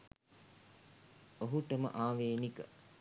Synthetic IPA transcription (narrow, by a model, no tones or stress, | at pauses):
oɦuʈəmə̰ʔaːʋeːnikə